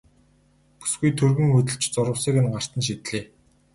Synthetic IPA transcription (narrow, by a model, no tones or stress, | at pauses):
pu̥sɡujt̪ʰɵrɣɵ̆ŋxɵt̪̬ɘ̆ɮt͡ɕt͡sʊɾʊ̆ːseːkɘ̆nɢar̥t̪ə̆nʃ̬it̪ɮeː